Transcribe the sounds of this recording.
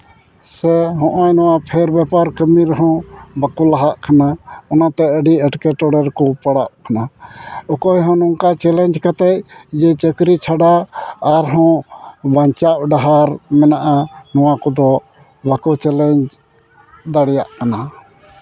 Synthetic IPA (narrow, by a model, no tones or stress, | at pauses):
sɛɦɔ̃ʔajnɔwapʰɛɾbɛpaɾkəmiɾɦɔ̃bakulaɦaʔkʰanaɔnat̪ɛəɖiəʈkɛʈɔɽɛɾkɔpaɽaʔ̚kʰanaɔkɔjɦɔ̃nɔŋkat͡ʃɛlɛɲd͡ʒkat̪ɛc̚d͡ʒɛt͡ʃəkɾit͡ʃʰaɖaaɾɦɔ̃baɲt͡ʃaʔ̚ɖaɦaɾmɛnaʔanɔwakɔd̪ɔ | bakɔt͡ʃɛlɛɲd͡ʒ | d̪aɽɛjaʔkana